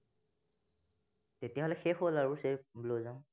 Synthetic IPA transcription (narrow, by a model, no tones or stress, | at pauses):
tetijaɦolɛxexolaɹuseblozãʊ̃